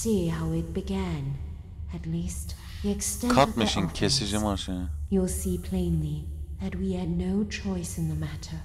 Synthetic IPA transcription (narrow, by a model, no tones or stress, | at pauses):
siɦaʊɪt̚b̥ɨɡæ̃n | ɨtˡlist | ðiɨkstɛ̃kʰʌt̚mɪʃĩnkʰɪsɪʒɪmɑʃəjulˠsipʰl̥ẽɪ̃nliðɨt̚wiɛdⁿnoʊt͡ʃʰɔɪsɨ̃nðəmæɾə˞